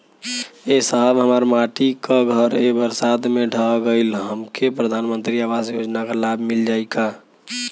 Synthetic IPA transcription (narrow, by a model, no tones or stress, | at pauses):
esəɦəbɦəmaɾmaʈikaɡʱəɾebəɾsad̪meɖʱaɡəɪlɦəmkʰepɾəd̪ʱanmənt̪ɾiaʋasjod͡ʒnakalabʱmild͡ʒaika